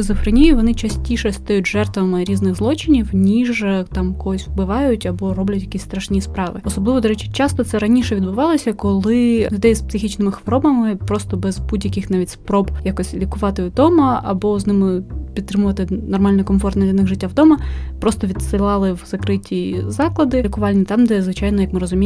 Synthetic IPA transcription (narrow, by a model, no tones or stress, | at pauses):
ɪzʊfɾenʲijʊʋɔnɪt͡ʃɐsʲtʲiʃɛst̪ɔjʊtʲʒɛrt̪ʋɐmɪɾʲiznɪɣzlˠɔt͡ʃɪnʲiwnʲiʒt̪ɑmkɔɦɔsʲwbɪʋɑjʊtʲɐbɔɾɔblʲɐtʲjɐkʲisʲst̪ɾɐʃnʲispɾɑʋɪɔsɔblɪʋɔd̪ɔɾɛt͡ʃɪ̥t͡ʃɑst̪ɔt̪sɛɾɐnʲiʃɛʋʲid̪̚bʊʋɑlˠɔsʲɐkɔlˠɪlʲʊd̪ɛjspsɪxʲit͡ʃnɪmɪxʋɔɾɔbɐmɪpɾɔst̪ɔbɛzbudʲjɐkʲɪxnɑʋʲitʲspɾɔbjakɔsʲlʲikʊʋɑt̪ɪd̪ɔmɐɐbɔznɪmɪpʲd̪t̪ɾɪmʊʋɐt̪ɪnɔrmɑlʲnɔkɔmfɔrt̪ndlʲɐnɪɣʐɪtʲːawd̪ɔmɐpɾɔst̪ɔʋʲid̪sɪlˠɑlˠɪwzɐkɾɪtʲizɑklˠɐd̪ɪikʊʋɑlʲnʲit̪ɑmd̪ɛzʋɪt͡ʃɑjnɔjɐkmɪɾɔzʊmʲi